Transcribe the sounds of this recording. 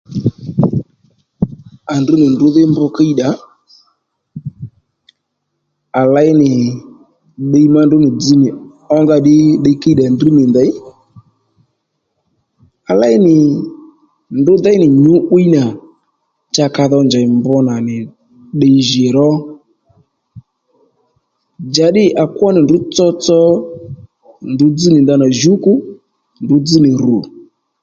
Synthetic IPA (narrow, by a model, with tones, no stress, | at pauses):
a˨ndu˦nɪ˨ndʊ˨˦ðɪ˦mbɔ˧ka˦i˦ɗa˨˦ | a˨la˨˦ɪ˦nɪ˨ | ɗe˧i˦ma˧ndʊ˦nɪ˨d͡zi˦nɪ˨ | ɔ˧ŋɡa˧ɗɪ˦ɗə˧i˦ka˦i˦ɗa˨ndi˦nɪ˨nd̪a˨j | a˨la˦ɪ˦nɪ˨ | ndʊ˨˦d̪a˦ɪ˦nɪ˨ɲʊ˨˦ʔu˦i˦na˨ | t͡ʃa˧ka˧ðɔ˧nd͡ʒa˨ɪ˨mbɔ˧˦na˨nɪ˨ | ɗɛ˧i˦ʒɪ˨ɾɔ˦ | d͡ʒa˨˦ɗɪ˦ʔa˨kwɔ˦nɪ˨ndʊ˦t͡sɔ˦t͡sɔ˦ | ndʊ˨˦d͡zi˦nɪ˨nd̪a˧na˨ʒu˦ku˦ | ndʊ˨˦d͡zi˦nɪ˨ɾṵ˨